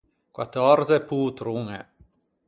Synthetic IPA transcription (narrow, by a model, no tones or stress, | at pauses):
kwat̪ɔrseput̪ɾuŋḛ